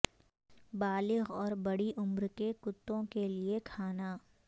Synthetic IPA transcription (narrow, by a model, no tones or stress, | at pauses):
baːlɪɣɔːɾbɐɽiʔʊmɾkekʊt̪ːõkeliekʰaːna